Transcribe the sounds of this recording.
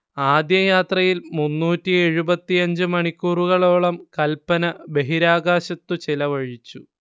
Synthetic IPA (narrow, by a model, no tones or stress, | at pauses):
aːd̪jɐjaːt̪rɐjilmunːuːtːie̞ɻubɐt̪ːiɐɲd͡ʑɨmɐɳikʲːuːruɣɐɭo̞ːɭɐmkɐlpːɐnɐbe̞ɦiɾaːɡaːɕɐt̪ːut͡ɕilɐʋɐɻit͡ɕːu